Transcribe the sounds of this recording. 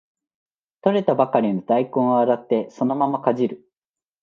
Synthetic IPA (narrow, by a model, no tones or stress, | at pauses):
t̪o̞ɾe̞t̪abakaɾʲinod̪aikõɰ̃oaɾat̪ːe̞so̞no̞mamakaʑiɾɯ̟